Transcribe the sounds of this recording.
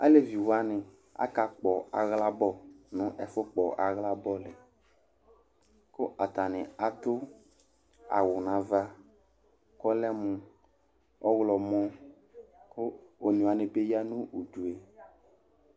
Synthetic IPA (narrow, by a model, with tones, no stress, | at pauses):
a̰˦le˦vi˨wa˦nɪ̃˨ | a̰˦ka˨k͡pɔ˨a̰˨ɣla˦bɔ˦˨nʊ̃˦ʔɛ˨fʊ˦k͡pɔ˨ʔa˨ɣla˦bɔ˦lɪ˨ | kʊ˦ʔa˨t̪a˨nɪ̃˨a˨t̪ʊ˦ | a̰˨wʊ˨nã˨va˦ | kɔ˦lɛ˦mʊ̃˨ | ɔ˦ɣlɔ˨mɔ̃˦ | kʊ˦o˨nĩ˨a˨nɪ̃˨pe˦ja˦nũ˦ʔu˨d͡ʒu˨e˨